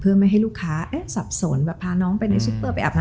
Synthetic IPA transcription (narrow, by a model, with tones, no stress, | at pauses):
pʰɯ˥˩˨ma˥˩jɦa˥˩luː˥˩kʰːaː˦˥ʔeː˦˥˩sa˨˩p̚so˨˩˦nbɛː˨˩pʰːaː˧nɔː˦˥ŋpa˧na˧jsu˧˦˥pːɤː˥˩pa˧jʔa̰˨˩p̚na˧